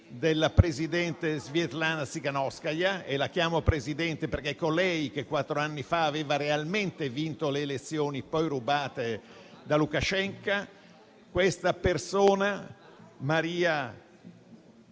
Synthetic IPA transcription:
d̪elːapɾezid̪ɛnt̪ezvjɛt̪lanasikanɔskajaelːak̟jaːmopɾezid̪ɛnt̪eperk̟ekːolɛjk̟ekːwat̪ːɾoanːifaːveːvaɾealment̪evint̪oleːlet̪sːjoːnipɔjrubaːt̪e | d̪alukat͡ʃɛŋka | kwest̪apersoːna | maɾiːa

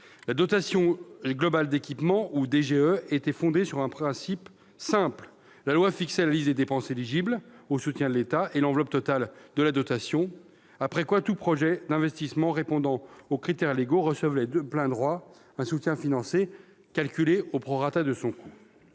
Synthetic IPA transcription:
lad̪ɔt̪asjɔ̃ɡlɔbald̪ekʲipmɑ̃ʔud̪eʒeøet̪ɛfɔ̃d̪esyʁɛ̃pχɛ̃sip | sɛ̃pl | lalwafiksɛlalisd̪ed̪epɑ̃seliʒiblosut̪jɛ̃d̪əlet̪aʔelɑ̃vlɔp̚t̪ɔt̪ald̪əlad̪ɔt̪asjɔ̃ | apχɛkwat̪upχɔʒɛd̪ɛ̃vɛst̪ismɑ̃ʁepɔ̃d̪ɑ̃okχit̪ɛʁleɡoʁəsəvlɛd̪øplɛ̃d̪ʁwa | ɛ̃sut̪jɛ̃finɑ̃se | kalkʲyleopχɔʁat̪ad̪əsɔ̃kʰu

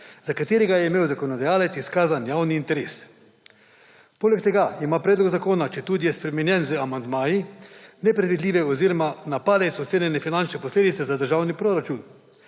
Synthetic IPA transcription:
zakat̪eːɾɛɡajɛimeːwzakonɔd̪ajaːlɛt̪siskaːzanjaːwniːnt̪ɛɾeːs | poːlɛk̚t̪ɛɡaimaːpɾɛːd̪lɔɡzakoːnat͡ʃɛt̪uːd̪ijɛspɾɛmɛnjɛnzəamand̪maːjinɛpɾɛd̪ʋid̪lʲiːʋɛɔziɾɔmanapaːd̪ɛtsɔt̪seːnjɛnɛfinant͡ʃnɛpɔsleːd̪it̪sɛzad̪əɾʒaːwnipɾoɾat͡ʃun

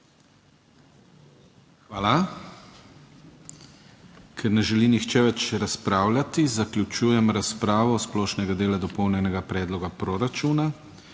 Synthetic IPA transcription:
xʋaːla | kʰɛɾnɛʒɛlinixt͡ʃɛʋɛt͡ʃɾaspɾaːwlʲjʲat̪izaklʲut͡ʃuːjɛmɾaspɾaːʋɔsplɔːʃnɛɡad̪eːlad̪ɔpɔwnʲɛnɛɡapɾɛːd̪lɔɡapɾoɾat͡ʃuːna

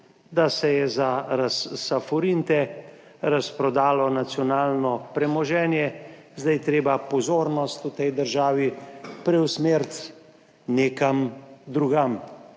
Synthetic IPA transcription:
d̪asɛjɛzaɾasːafɔɾint̪ɛ | ɾaspɾɔd̪aːlɔnat̪sjɔnaːlnɔpɾɛmɔʒɛːnjɛ | zd̪ajt̪ɾeːbapɔzoːɾnɔst̪ut̪ɛjd̪əɾʒaːʋipɾɛwsmeːɾt̪ | neːkamd̪ɾuɡam

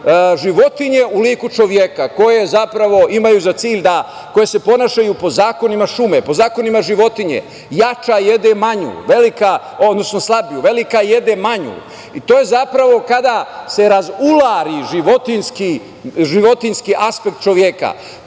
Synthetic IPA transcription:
ʒiʋo̞t̪iɲe̞uliːkut͡ʃo̞ʋjekako̞je̞zapɾaʋo̞imajuːzat̪siːʎʲd̪a | ko̞jese̞po̞naːʃajupo̞zaːko̞nimaʃumepo̞zaːko̞nimaʒiʋo̞t̪iɲe̞̰ | jat͡ʃajed̪emaɲṵːʋe̞lika | o̞d̪no̞sno̞slˠabijuʋe̞likaje̞d̪emaɲṵː | it̪oːje̞zapɾaʋo̞kad̪ase̞ɾazulaːɾiʒiʋo̞t̪inski | ʒiʋo̞t̪inskiʔaspek̚t̪̚t͡ʃo̞ʋjeka̰

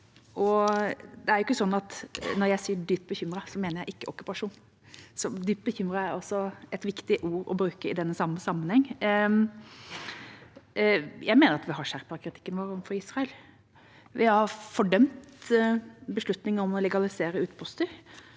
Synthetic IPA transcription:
ʔɔ | d̪ɛæɾjʊkːəsɔnːɑt̪nɔɾjæɪsiːəɖ̪yːp̚bəçʏmɾɑsɔmeːnəjæɪʔɪkːəʔɔkːʉ̥pɑʂuːn | sɔd̪yːp̚bəçʏmɾɑæɾɑsɔɛt̪ʋɪkt̪ɪʔuːɾɔ̰bɾʉːkəɪd̪ɛnːəsɑmːəsɑmːənhɛŋː | jʔæɪmeːnəɾɑt̪ʋɪhɑʂæɾpəkʰɾɪt̪ʰɪ̥kːənʋoːɾəɔfɔɾiːsɾɑəl | ʋɪhɑɾfɔɖœmt̪ | bəʂlʉt̪nɪŋɔmɔlɛɡɑlɪseːɾəʉːt̪pʰʊst̪ʏ

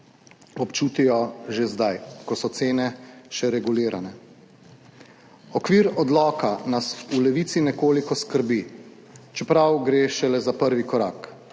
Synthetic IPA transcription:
ɔpt͡ʃuːt̪ijɔʒezd̪ajkɔsɔt̪seːnɛʃɛɾɛɡuliːɾʔanɛ | ɔkʋiːɾɔd̪lɔːkanasulɛʋiːt̪sinɛkoːlikɔskəɾbi | t͡ʃɛpɾawɡɾeːʃɛlɛzapəɾʋikɔɾaːk

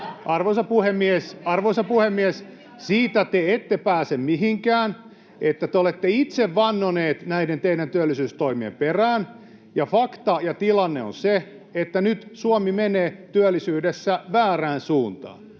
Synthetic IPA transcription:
ʔɑrʋoisɑpuhemːiesɑrʋoisɑpuhemːiɛs | siːt̪æt̪eet̪ːepæːsemmiɦiŋkæːn | et̪ːæt̪eolet̪ːeit̪seʋʋɑnːoneːt̪næident̪eiɾænt̪yælːisyːst̪oimiḛmperæːn | jɑfɑkt̪ɑjɑt̪ilɑnːeo̰nse | et̪ːænyt̪suomimeneːt̪yælːisyːdesːæʋæːræːnsuːnt̪ɑ̰ːn

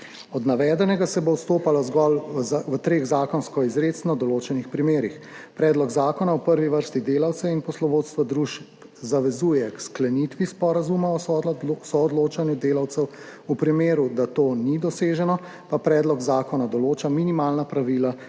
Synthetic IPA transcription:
ɔd̪naʋɛːd̪ɛnɛɡasɛbowst̪oːpalazɡɔlwət̪ɾeːɣzaːkɔnskɔizɾeːt̪snɔd̪ɔloːt͡ʃɛnixpɾimeːɾixpɾɛːd̪lɔɡzaːkɔnawpəɾʋiʋəɾst̪id̪eːlawt̪sɛinpɔslɔʋoːt̪st̪ʋad̪ɾuʃp | zaʋɛzujɛksklɛnit̪ʋispɔɾazumaɔsɔɔd̪loːt͡ʃanjud̪eːlawt̪sɛw | upɾimeːɾud̪at̪oːnid̪ɔseːʒɛnɔ | papɾɛːd̪lɔɡzaːkɔnad̪ɔloːt͡ʃaminimalnapɾaʋiːla

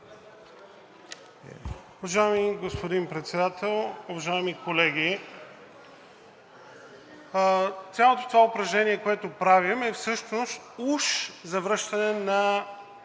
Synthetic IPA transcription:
ʊvɐʒaɛmiɡospod̪inpɾɛt̪sɛd̪at̪ɛlˠʊvɐʒaɛmikolɛɡʲi | t̪sʲjalˠot̪o̥t̪ovaʊpɾɐʒnɛnʲiɛkoɛt̪opɾavimɛfsɤʃnost̪uʃzɐvɾɤʃt̪ɐnɛnɐ

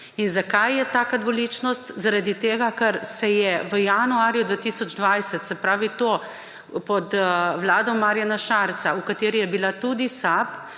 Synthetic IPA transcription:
inzakajːɛt̪aːkad̪ʋɔlit͡ʃnɔst̪zaɾad̪it̪eːɡakɐɾsɛjɛʋəjanuaːɾjud̪ʋaːt̪iːsɔd͡ʒd̪ʋajsɛt̪sɛpɾaːʋit̪oː | pɔt̪ʋlaːd̪ɔmːaːɾjanaʃaːɾt̪saukat̪eːɾijɛbilat̪ud̪isap

